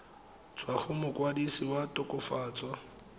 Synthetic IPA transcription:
t͡swaχʊmʊkwadisiwatʊkʼʊfaːt͡sʼwa

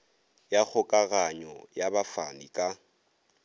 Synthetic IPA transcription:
jak͡xʰʊkʼaɣaɲɔjabafanikʼa

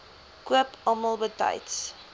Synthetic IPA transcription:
kuəpɑməlˠbətɐ̰jts

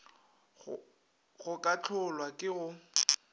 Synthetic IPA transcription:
ɣʊkʼat͡ɬʰʊlwakʼɪɣʊ

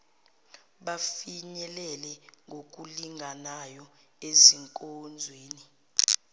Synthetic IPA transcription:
ɓafiɲɛlɛlɛŋɡʱok̬ʼuliŋʱanajɔ | eziŋkʼond͡zʱweːni

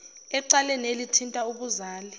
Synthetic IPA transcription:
ɛǀalɛnelitʰintʼauɓuzaːli

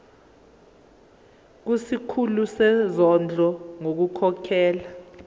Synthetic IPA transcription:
k̬usikʰulusɛzɔnd͡ɮʱɔŋok̬ukʰɔkʰɛːla

